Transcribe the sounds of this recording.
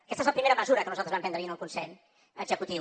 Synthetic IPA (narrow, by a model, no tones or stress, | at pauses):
kɛst̪əezləpɾimeɾəməzuɾəkənuzalt̪əzβɛmpɛnd̪ɾəinulˠkunsɛʎ | əɡzəkut̪i